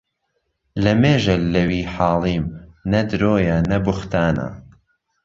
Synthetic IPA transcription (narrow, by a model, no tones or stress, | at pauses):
lɐmeːʒɐlːɐwiːħɑːlˠiːmnɐd̪ɾoːjanɐbʊxt̪aːna̰